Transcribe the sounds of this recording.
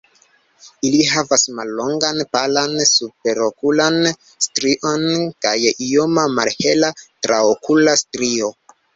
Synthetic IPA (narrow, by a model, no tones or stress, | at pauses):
iliɦavasmalːo̞ŋɡanpalansup̚e̞ɾo̞kulan | stɾiʔo̞nkajio̞mamaɾhe̞latɾaokulastɾio̞